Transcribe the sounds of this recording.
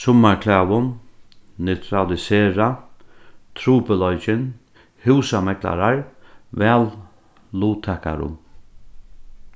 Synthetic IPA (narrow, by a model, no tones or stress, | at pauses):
sʊmaɹkʰlɛːwʊnnɛwt̪ʰɾalɪseːɹa | t̪ʰɾuːpəlɔjt͡ʃɪn | hɪwsamɛkla̰ɾaɹvɛːlː | uːt̪ʰɛːka̰ɾʊ̰m